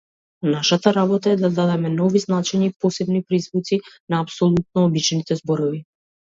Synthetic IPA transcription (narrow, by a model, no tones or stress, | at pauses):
naʃat̪aɾabɔt̪aɛd̪ad̪ad̪ɛmɛnɔviznat͡ʃɛɲapɔsɛbnipɾizvut̪sinaːpsɔlˠut̪̚nɔːbit͡ʃnit̪ɛzbɔɾɔvi